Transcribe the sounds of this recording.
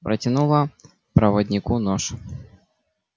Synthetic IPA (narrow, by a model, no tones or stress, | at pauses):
pɾɐtʲɪnulˠɐ | pɾɐvɐdʲnʲɪkunɔʂ